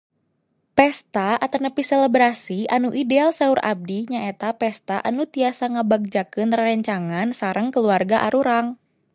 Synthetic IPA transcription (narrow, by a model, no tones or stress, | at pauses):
pɛst̪aʔat̪anəpisɛlɛbɾasianuʔidealsɛurʔa̰b̚diɲaet̪apɛst̪aʔanut̪iasaŋəbaɡ̚d͡ʒakɨnrːɛɲt͡ʃaŋansaɾəŋkəluarɡaʔaɾuɾaŋ